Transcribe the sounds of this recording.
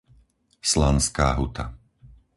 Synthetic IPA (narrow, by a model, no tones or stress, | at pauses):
slanskaːɦut̪ʰa